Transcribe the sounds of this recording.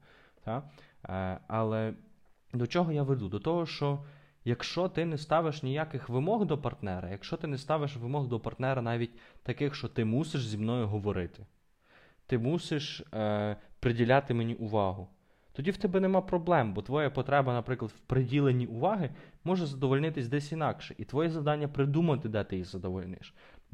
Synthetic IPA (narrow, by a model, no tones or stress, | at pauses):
t̪ɑ | ɑlˠɛ | d̪ɔt͡ʃɔɦɔjaʋed̪ud̪ɔt̪ɔɦɔʃt͡ʃɔ | jɐkʃt͡ʃɔt̪ɪnɛst̪ɑʋɪʃnʲijakɪxʋɪmɔɣd̪ɔpɐrt̪nɛɾɐ̰jɐkʃt͡ʃɔt̪ɪnɛst̪ɑʋɪʃʋɪmɔɣd̪ɔpɐrt̪nɛɾɐnɑʋʲit̚ʲt̪ɐkɪxʃt͡ʃɔt̪ɪmusʲɪʃzʲimnɔjʊɦɔʋɔɾɪt̪ɪ̥ | t̪ɪmusʲɪʃ | pɾɪdʲilʲɑt̪ɪmenʲiʔʊʋɑɦʊ | t̪ɔdʲiwt̪ɛbɛnɛmɑpɾɔblˠɛmbɔt̪ʋɔjɛpɔt̪ɾɛbɐnɐpɾɪklˠɐd̪̥wpɾɪdʲilˠenʲiʔʊʋɑɦɪmɔʒɛzɐd̪ɔʋɔlʲnɪt̪ɪsʲd̪ɛsʲinɑkʃɛʔit̪ʋɔjɛzɐwd̪ɑnʲːɐpɾɪd̪umɐt̪ɪd̪ɛt̪ɪjizɐd̪ɔʋɔlʲnɪ̰ʃ